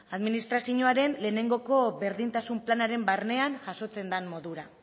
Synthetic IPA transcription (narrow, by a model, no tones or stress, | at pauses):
aðminist̪ɾasiɲoaɾe̞nle̞ːne̞ŋɡo̞ko̞βe̞ɾðint̪asumplanaɾe̞mbarne̞anʝaso̞t͡se̞nd̪anmo̞ðuɾa